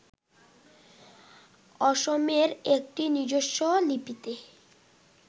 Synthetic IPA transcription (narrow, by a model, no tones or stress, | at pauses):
ɔʃomeɾek̚ʈiniɾd͡ʑoʃːolipit̪e